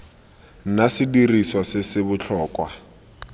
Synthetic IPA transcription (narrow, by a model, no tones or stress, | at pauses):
nasɪdiriswasɪsɪbʊt͡ɬʰɔːkʼwa